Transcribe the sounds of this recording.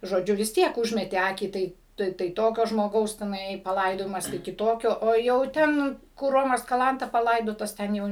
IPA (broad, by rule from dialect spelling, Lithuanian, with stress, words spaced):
ʒoːˈd͡ʒʲʊ ʋʲɪs ˈtʲiɛk ˈʊʒʲmʲɛtʲɪ ˈɑːkʲiː ˈtɐɪ ˈtɐɪ tɐɪ ˈtoːkʲoː ʒmoːˈɡɐʊs tʲɛˈnɐɪ pɐˈlˠɐɪdoːjɪmɐs tɐɪ kʲɪˈtoːkʲoː oː jɛʊ ˈtʲɛn kʊr ˈroːmɐs kɐˈlˠɐntɐ pɐˈlˠɐɪdoːtɐs ˈtʲɛn jɛʊ